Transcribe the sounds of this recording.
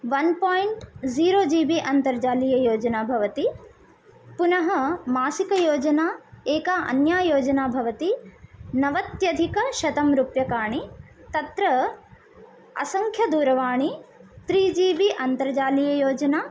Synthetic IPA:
ʋɐnpaːjiɳʈziːɾoːd͡ʒiːʋiʔɐnt̪ɐɾd͡ʒaːlijɐjoːd͡ʒɐnaːbʱɐʋɐt̪i | punɐɦɐmaːsikɐjoːd͡ʒɐnaːeːkaɐ̰njaːjoːd͡ʒɐnaːbʱɐʋɐt̪inɐʋɐt̪jɐd̪ʱikɐʃɐt̪ɐmɾupjɐkaːɳi | t̪ɐt̪ɾɐ | ɐ̰sɐŋkʰjɐd̪uːɾɐʋaːɳit̪ɾiːd͡ʒiːʋiʔɐnt̪ɐɾd͡ʒaːlijɐjoːd͡ʒɐnaː

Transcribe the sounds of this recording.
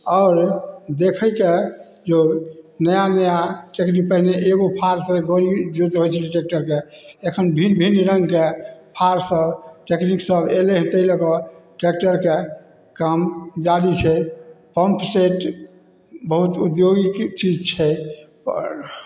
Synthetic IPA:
aʊɾd̪ekʰəke | d͡ʒonəjanəjaʈeknik̚pəɦineʔeɡopʰaɾsəɡoɾid͡ʒut̪ɦojt͡ʃʰɛiʈek̚ʈəɾkeekʰənbʱinbʱinɾə̃ŋɡkepʰaɾsəbʈekniksəbeleɦt̪əjləkɔʈek̚ʈəɾke | kamd͡ʒaɽit͡ʃʰɛpəmpseʈ | bəɦut̪ud̪joɡikt͡ʃid͡ʒt͡ʃʰɛpɾ

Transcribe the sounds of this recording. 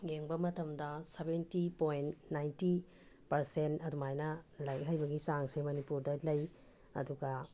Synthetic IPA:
jeŋbɐmɐtɐmdɐsebentipojnnajnti | pɐɾsentɐdumajnɐlɐjɦɐjbɐɡisaŋsemɐnipuɾdɐlɐj | ɐ̰duɡɐ

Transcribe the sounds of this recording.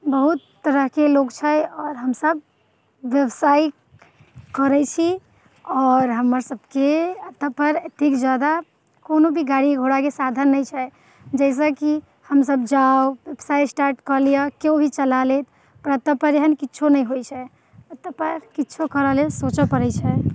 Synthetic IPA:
bəɦut̪ːəɾəɦkeloɡt͡ʃʰɛjɔːɾɦəmsəb̚ː | jəbsaj | kəɾɛt͡ʃʰi | ɔɾɦəmːəɾsəbkeət̪ːəpəɾət̪ikd͡ʒad̪a | konobʱiɡaɽiɡʱoɽakesad̪ʱənːəjt͡ʃʰɛj | d͡ʒɛɪs̬əki | həmsəbd͡ʒaoʋebsajsʈaɾʈkəɾlijəkeobʱit͡ʃəlalet̪ | pəɾət̪ːəpəɾeɦənkitːt͡ʃʰonəjɦojt͡ʃʰɛ | ət̪ːəpəɾkiːt͡ʃʰokəɾəɦlesot͡ʃəpəɾɛt͡ʃʰɛ

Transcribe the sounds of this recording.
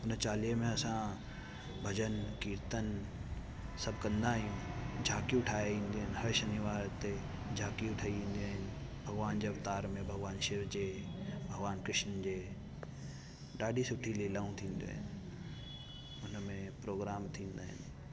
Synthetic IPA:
ʊnt͡ɕaːlijəmẽɐsã | bʱɐd͡ʑənkiːɾt̪ən | sɐbʱkɐ̃nd̪aːɦijũd͡ʑʱaːkijũʈʰaːeĩːn̆d̪eːɦɪnhɐʃəniʋaːɾt̪e | d͡ʑʱaːkijũʈʰaːiʋĩːn̆d̪iaːɦɪnɪ̆bʱɐɡʋaːnd͡ʑeɐft̪aːɾmẽbʱɐɡʋaːnʃɪɾd͡ʑeːbʱɐɡʋaːnkɾɪʃnd͡ʑeː | ɗaːɖʱisʊʈʰililaːũt̪ʰĩːnd̪ijo̰ːɦɪnɪ | ʊnəmẽpɾoːɡɾaːmt̪ʰĩːnd̪aːɦɪ̰nɪ̆

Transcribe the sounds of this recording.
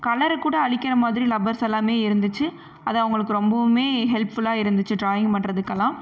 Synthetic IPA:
kɐlɐɾkːuːɽɐːɭɪkʲːɐɾɐmaːðɪɾilɐbɐɾsɐlːaːmeːɪɾɯnd̪ɯt͡ʃːɯ | ʔɐðaʋʊŋɡɐɭɯkːɯɾɔmbɐmeːɦɛlpfʊlaːɪɾɯnd̪ɯt͡ʃːɯʈɾaːjɪŋpɐɳːɾɐðɯkːɐlãː

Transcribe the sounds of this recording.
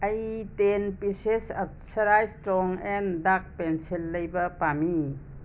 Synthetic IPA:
ɐjtenpisesɐp̚sɐɾajstɾɔŋendak̚pensilːɐjbɐpami

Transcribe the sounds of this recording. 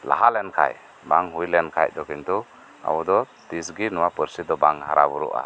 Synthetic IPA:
la̰ɦalɛnkʰa̰j | baŋɦujlɛnkʰa̰jd̪ɔkint̪u | a̰wɔd̪ɔ | t̪is̬ɡinɔwapəɾsid̪ɔbaŋɦa̰ɾabuɾṵʔa̰

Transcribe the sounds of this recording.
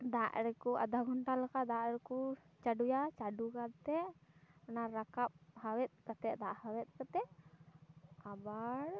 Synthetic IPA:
d̪aʔɾɛkuʔa̰d̪aɡɔɳʈalakad̪aʔɾɛku | t͡ʃaɖujat͡ʃaɖukat̪ɛɔnaɾakap̚hawɛt̪̚kat̪ɛʔd̪aʔhawɛt̪̚ˀkat̪ɛ | abaɾ

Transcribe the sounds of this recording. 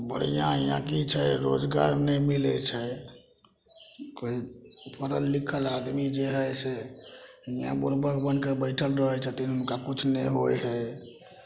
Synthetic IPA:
bə̰ɽ̤ijãjã̰kit͡ʃʰɛɾo̰d͡ʒɡa̰ɾnɛmilɛt͡ʃʰɛ | koipʰəɾəlːikʰəlad̪mid͡ʒeɦəjse | jã̰buɾbəkbənkebəɪʈʰəlɾəɦɛt͡ʃʰət̪inɦəmkakut͡ʃʰnɛɦojɦɛ

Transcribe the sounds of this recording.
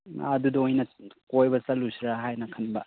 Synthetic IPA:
ɐdudɐojnɐkojbɐsɐlusiɾaɦajnɐkʰɐnbɐ

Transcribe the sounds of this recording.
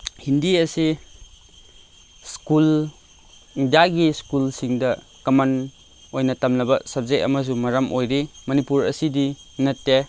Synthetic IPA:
hindiɐsi | skul | daɡiskulsiŋdɐ | kɐman | ojnɐtɐmnɐbɐsab̚zeʔɐ̰mɐs̬umɐɾɐmʔojɾimɐnipuɾɐ̰sidinɐtːe

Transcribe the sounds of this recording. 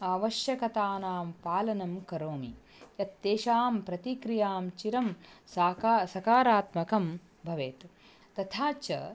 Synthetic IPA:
aːʋɐʃjɐkɐt̪aːnaːmpaːlɐnɐmkɐɾoːmḭ | jɐt̪ːeːʃaːmpɾɐt̪ikɾijaːmt͡ʃiɾɐmsaːkasɐkaːɾaːt̪mɐkɐm | bʱɐʋeːt̪ | t̪ɐt̪ʰaːt͡ʃɐ̰

